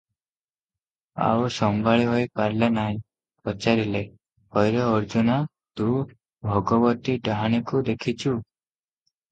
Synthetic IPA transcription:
a̰wsɔmbʱaɭiɦojpaɾlenaĩ | pɔt͡ʃaɾile | hɔjɾɔːɾd͡ʒuna | t̪u | bʱɔɡɔbɔt̪iɖaɦaɽ̃ikud̪ekʰit͡ʃʰu

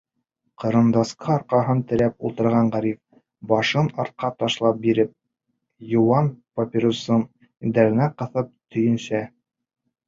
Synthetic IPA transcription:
qɤ̆ɾɤ̆nd̪ɑsqʰɑɑɾqɑɦɤnt̪ɘ̆ɾæpulˠt̪ɤ̆ɾʁɑɴʁæɾif | bɑʃɤnɑɾt̪̚qɑt̪ɑʃlˠɑp̚biɾɘp̚ | jŏwɑnpopʲiɾosɤɴ | d̪æɾɘ̆næqɤ̆θɤp̚t̪ʰɵ̆jɵ̆nsæ

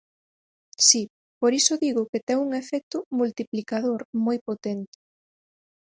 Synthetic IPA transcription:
si | poɾisʊðiɣʊket̪ɛŋuŋefɛk̚t̪ʊmult̪iplikaðoɾmojpot̪ɛnt̪ɪ̥

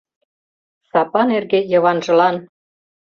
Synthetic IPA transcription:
sɑpɑnerɣejɤ̆βɑnʒɤ̆lɑn

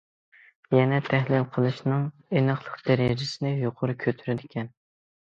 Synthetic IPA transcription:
jɛnɛt̪ʰæhlɪlqʰəlˠɨʃnɨŋ | enɨχlˠəqd̪̥æɾɪd͡ʒɪsɪnɪjoqʰʊɾɨkʲʰøt̪ʰyɾɪd̪ɪkʲɛn

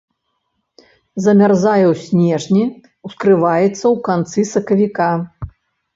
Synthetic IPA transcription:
zɐmʲarzajɐwsʲnʲɛʐnʲi | wskɾɨvajɛt̪sːɐwkant̪sɨsɐkɐvʲika

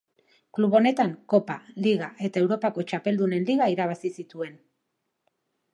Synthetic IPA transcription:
kluβo̞ne̞t̪aŋko̞paliɣaʔe̞t̪ae̞wɾo̞pako̞t͡ʃape̞ld̪une̞nliɣaiɾaβ̞asisit̪ue̞n

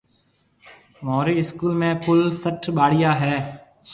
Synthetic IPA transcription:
moːɾiːɪskuːlmẽːpʊlsəʈʰɓaːɽɪjaːɦɛː

